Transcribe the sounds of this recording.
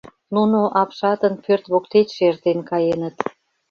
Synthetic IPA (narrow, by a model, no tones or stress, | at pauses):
nunoʔɑpʃɑt̪ə̆npørt̪βokt̪et̪ʃert̪enkɑjenət̪